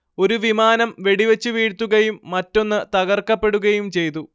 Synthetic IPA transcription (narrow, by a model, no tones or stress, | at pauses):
o̞ɾuʋimaːnɐmʋe̞ɽiʋet͡ɕːɨʋiːɽt̪ːuɣɐjumːɐtːo̞nːɨt̪ɐɣɐrkːɐpːe̞ɽuɣɐjumt͡ɕe̞jt̪̬u